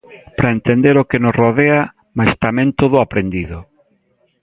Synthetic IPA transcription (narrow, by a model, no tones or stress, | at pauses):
pɾaent̪end̪eɾokenosroðea | majst̪amẽnt̪oðʊapɾend̪iðʊ